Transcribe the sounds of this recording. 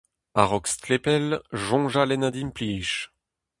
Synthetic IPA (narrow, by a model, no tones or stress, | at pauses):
aʁɔkst̪lepɛlʒɔ̃ʒalɛnad̪impliʃ